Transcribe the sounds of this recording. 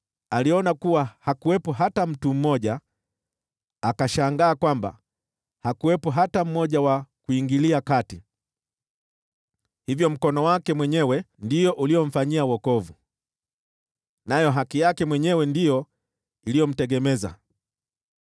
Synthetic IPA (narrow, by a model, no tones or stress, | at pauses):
aliɔnakuwahakuwɛpɔɦatam̩tum̩mːɔʄa | akaʃaŋɡaːkwamba̰ | hakuwɛpɔɦatam̩mːɔʄawakuiŋɡiliakati | hivjɔm̩kɔnɔwakɛmwɛɲɛwɛndijɔʔulijɔm̩faɲiawɔkɔvu | najɔɦakijakɛmwɛɲɛwɛndijɔ | ilijɔm̩tɛɠɛmɛza̰